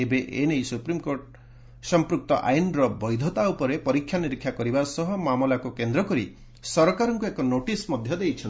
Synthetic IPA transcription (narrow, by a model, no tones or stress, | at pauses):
ebeʔenejsupɾimkoʈ | sɔmpɾuk̚t̪ɔ̰ʔa̰jnɾɔbɔjd̪ʱɔt̪aupɔɾepɔɾikʰːjaniɾikʰːjakɔɾibasɔɦɔmamɔlakukend̪ɾɔkɔɾi | sɔɾɔkaɾɔŋkuekɔnoʈismɔd̪ʱjɔd̪ejt͡ʃʰɔni